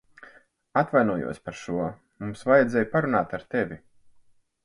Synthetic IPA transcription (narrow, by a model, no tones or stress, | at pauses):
at̪vajnuɔjṵɔsʲpaɾʃuɔ | mumsvajɛd̪zɛjpaɾunaːt̪aɾt̪ɛvʲi